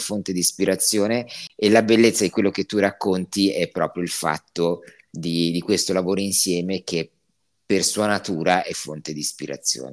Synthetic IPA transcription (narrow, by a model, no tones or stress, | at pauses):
font̪ed̪ispiɾat̪sːjoːneelabelːet̪sːad̪ikwelːok̟et̪ːurakːont̪iɛpːɾɔ̰ːpɾjoilfa̰t̪ːo | d̪id̪ikwest̪olavoːɾoinsjɛːmek̟ʰe | pːersuːanat̪uːɾaʔɛfːont̪ed̪ispiɾa̰t̪sːjo̰ːne